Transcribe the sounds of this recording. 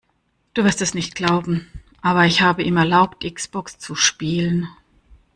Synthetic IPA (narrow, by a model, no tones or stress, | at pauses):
d̥uːvɪɐstɛsnɪçt̚ɡ̥laʊbm̩ʔaːβɐɪçhaːbəʔiːmɛɐlaʊp̚tʔɪksb̥ɔkst͡suʃpiːlən